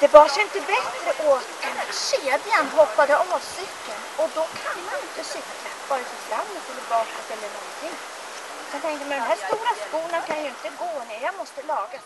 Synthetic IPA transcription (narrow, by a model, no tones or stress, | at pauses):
d̪̥ɛbɑːʂɛjɪnt̪əbɛt̪ɾəʔoːt̪d̪ɛnæɕeːd̪janɦɔpːad̪əʔɔːsʏkːənɔd̪ɔkʰanmanɪnt̪əsʏkːlabɑːɾafɔflamnət̪ɛlːəɾbɑːkət̪ɛlːəɳɔnt̪ʰɪŋː | sɛnt̪ʰɛŋkəjamɛnd̪ɛnæːʂt̪uːɾaskuːlənkʰanjɵɪnt̪əɡoːnɛjamɔst̪əlɑːɡa